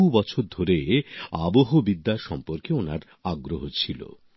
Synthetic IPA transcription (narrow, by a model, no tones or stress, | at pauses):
ubɔt͡ɕʰoɾd̪ʱoɾea̰boɦobid̪ːaʃɔmpoɾkeonaɾ | aɡɾoɦot͡ɕʰilo̰